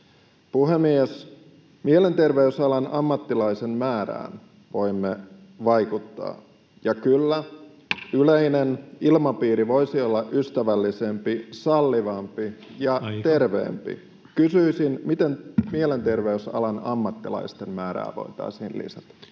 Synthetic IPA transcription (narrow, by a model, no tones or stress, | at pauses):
puɦemies | miele̞nt̪erʋeysɑlɑnɑmːɑt̪ːilɑisemmæːɾæ̰ːn | ʋo̞imːe | ʋɑjkut̪ːɑ̰ː | jɑkylːæ | yleinenilmɑpiːɾiʋo̞isiolːɑʔyst̪æʋælːise̞mpisɑlːiʋɑmpijɑt̪e̞rʋḛːmpḭ | kysyisinmit̪enmiele̞nt̪erʋeysɑ̰lɑnɑ̰mːɑt̪ːilɑ̰ist̪emːæːɾæ̰ːʋo̞̰it̪ɑ̰isḭːnlḭsɑt̪ɑ̥